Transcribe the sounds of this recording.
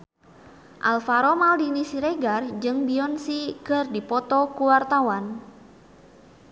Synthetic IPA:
ʔalfaɾɔmaldinisiɾeɡard͡ʒɨŋbiɔnsikɨrdipɔt̪ɔkuwart̪awan

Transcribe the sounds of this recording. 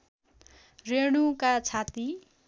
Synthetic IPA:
reɽ̃ukat͡sʰat̪i

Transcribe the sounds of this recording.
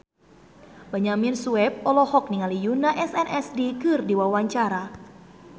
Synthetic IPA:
baɲaminsuɛb̚ɔlɔhɔk̚niŋalijunaʔɛsɛnʔɛsdikɨrdiwawaɲt͡ʃaɾa

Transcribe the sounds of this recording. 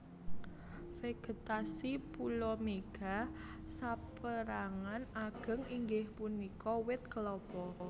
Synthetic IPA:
feɡ̥ə̤t̪asipulɔmeɡ̥a̤ | sapəɾaŋanaɡ̥ə̤ŋiŋɡɪhpunikɔwɪt̪̚kəlɔpɔ

